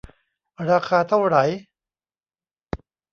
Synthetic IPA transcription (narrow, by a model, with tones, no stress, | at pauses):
ɾaː˧kʰaː˧t̪ʰa˥˩wɾa˩˦j